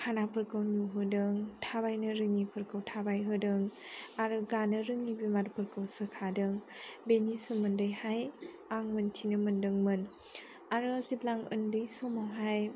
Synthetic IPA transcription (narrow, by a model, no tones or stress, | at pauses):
kʰanapʰɯɾkʰɯwnuɦɯdɯŋtʰabajnɯɾɯŋːipʰɯɾkʰɯwtʰabajɦɯdɯŋaɾɯɡanɯɾɯŋibimaɾpʰɯɾkɯwsɯkʰadɯŋbenisomɯndɯjhaj | aŋmɯntʰinɯmɯndɯŋmɯn | aɾɯziplaŋɯ̰ndɯjsomawɦaj